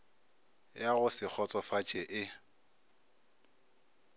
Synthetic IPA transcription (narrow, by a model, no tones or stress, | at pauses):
jaɣʊsɪk͡xʰɔt͡sʼɔfat͡ʃʼɛʔɪ